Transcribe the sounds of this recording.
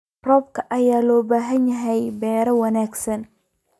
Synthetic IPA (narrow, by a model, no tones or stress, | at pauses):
rɔːbkʰɐʔɐjaːlɔːbaːɦɐnjɐɦɛjbɛːɾɐwɐnaːɡsɐn